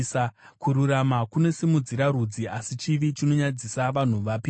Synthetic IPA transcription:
sakuɾuɾamakune̞simud͡ziɾaɾud͡ziasit͡ʃiʋit͡ʃino̞ɲad͡zisaʋan̤uʋapi

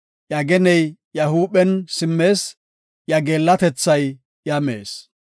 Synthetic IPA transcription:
jɐɡɛnɛjjɐhuːɓɛnsɪmːe̞ːs | jɐɡeːlːɐt̪ɛt͡sːɐj | jɐmḛːs

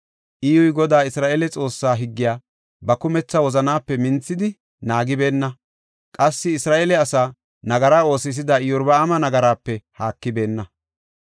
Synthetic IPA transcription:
ʔiːʊjɡɔd̪aːɪsɾaːʔeːlɛt͡sʼo̞ːsːaːɦɪɡːɪjaː | bɐkʊmɛt͡sːɐwɔzɐnaːpːɛmɪnt͡sːɪd̪ɪ | naːɡɪbe̞ːnːɐ | kʼɐsːɪɪsɾaːʔeːlɛɐsaː | nɐɡɐɾaːo̞ːsɪs̬ɪd̪ɐɪjʊɾbɐːmɐnɐɡɐɾaːpːɛhaːkːɪbe̞ːnːɐ

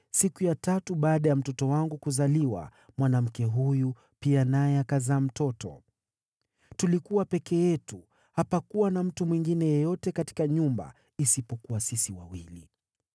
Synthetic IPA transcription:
sikujatatuɓaːɗajam̩tɔtɔwaŋɡukuzaliwa̰ | mwanam̩kɛɦuju | pianajɛakazaːm̩tɔtɔ̰ | tulikuwapɛkɛjɛtu | hapakuwanam̩tumwiŋɡinɛjɔjɔtɛkati̥kaɲumba̰ | isipɔkuwasisiwa̰wilḭ

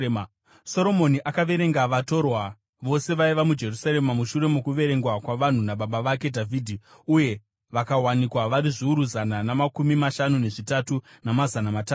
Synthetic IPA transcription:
so̞ɾo̞mo̞niʔakaʋe̞ɾe̞ŋɡaʋato̞rwa | ʋo̞se̞ʋaiʋamud͡ʒe̞rusaɾe̞mamuʃuɾe̞mukuʋe̞ɾe̞ŋɡwakwaʋan̤unaɓaɓaʋake̞dʱavʱiːdʱi | uje̞ | ʋakawanikwaʋaɾiʐiuɾuzananamakumimaʃanune̞ʐitatu | namazanamatat

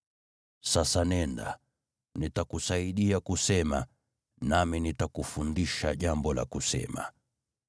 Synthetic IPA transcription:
sasanɛnda̰ | nitakusaiɗiakusɛma | naminitakufundiʃaʄambɔla̰kusɛ̰ma̰

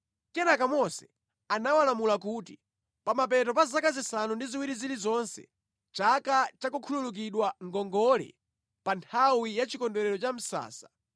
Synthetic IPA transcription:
kɛnakamɔsɛ | anawalamulak̬uti | pamapɛtɔpazakazisanundiziwiɾizilizɔnsɛ̰ | t͡ʃakat͡ʃakukʰululuk̬iɗwaŋɡɔŋɡɔlɛ̰ | pantʰawijat͡ʃikɔndɛɾɛɾɔt͡ʃam̩sa̰ːsḁ

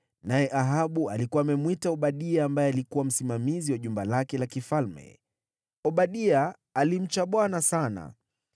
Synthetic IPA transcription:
najɛʔaɦaɓualikuwaːmɛmwitaɔɓaɗiaːmbajɛalikuwam̩simamiziwaʄumbalakɛlakifalmɛ̰ | ɔɓaɗiaː | lim̩t͡ʃaɓwanasana̰

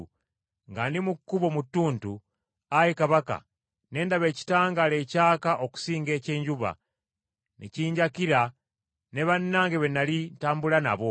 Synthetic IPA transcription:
ŋɡandimukːuβo̞mutːuːntu | ajekaβaka̰ | ne̞ːndaβe̞ːci̥taːŋɡale̞caːkaʔo̞ku̥siːŋɡe̞ːce̞ːɲɟuβa̰ | nʔiciːɲɟakiɾa | ne̞βanːaːŋɡeβenalintaːmbulana̰βo̞

